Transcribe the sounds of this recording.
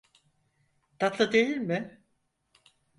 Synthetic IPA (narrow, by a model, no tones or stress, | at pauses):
t̪at̪lˠɯd̪ejilmɪ